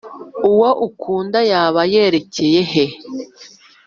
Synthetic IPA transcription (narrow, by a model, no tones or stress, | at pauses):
uwoʔukʰuːndajaːβajeɾe̞ce̞jeɦe